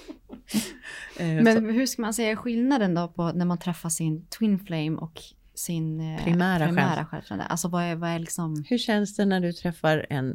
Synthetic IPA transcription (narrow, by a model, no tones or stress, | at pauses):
mɛnɦɵʂkamansɛjːaɪɧɪlnad̪ənd̪opʰɔnæɾmant̪ʰɾɛfːaʂɪnt̪ʰwɪnflɛjmʔɔ̰k | sɪnpʰɾɪmæːɾaɪmɛæːɾa̰ɧɛ̰lt̪ɾa̰d̪ə̰ʔa̰sɔvaɛvaæɭɪksɔmhɵʂɕɛnsd̪ɛnæɖɵt̪ʰɾɛfːaɾɛ̰n